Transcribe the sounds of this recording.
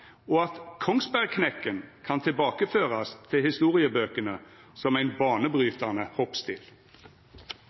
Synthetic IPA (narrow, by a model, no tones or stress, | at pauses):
ɔːɑt̪kʰɔŋsbæʁkʰnɛkːənkʰɑnt̪ʰɪlbɑːkəføːʁɑst̪ʰɪlhɪst̪uːʁɪəbøːkənə | sɔmæɪnbɑːnəbʁyːt̪ɑnəhɔpst̪ʰɪ̰ːl